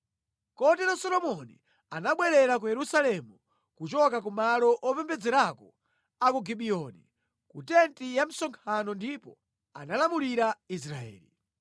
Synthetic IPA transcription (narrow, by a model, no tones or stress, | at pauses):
kɔtɛɾasɔlɔmɔnḭ | anaɓwɛɾɛɾak̬ujɛɾusalɛmu | kut͡ʃɔkak̬umalɔʔɔpɛmbɛd͡zɛɾakɔ | akuɡiɓiɔnḭ | kutɛntijam̩sɔŋkʰanɔndipɔ̰ | a̰nalamuliɾais̬ɾaɛ̰ːli